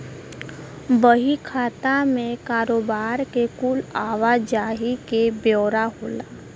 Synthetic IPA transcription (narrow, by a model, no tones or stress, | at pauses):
bəɦikʰaːt̪amẽkaːɾoːbaːɾkekulaːʋad͡ʒaːɦikebjɔːɾaɦoːlaː